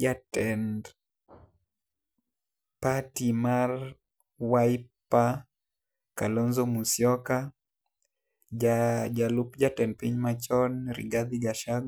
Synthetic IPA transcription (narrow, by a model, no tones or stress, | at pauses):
d͡ʒatɛnd | patimar | waipːa | kalɔnzɔmusjɔka | ad͡ʒalupd͡ʒatɛnpiɲmat͡ʃɔnɾḭɡad̪iɡaʃaɡ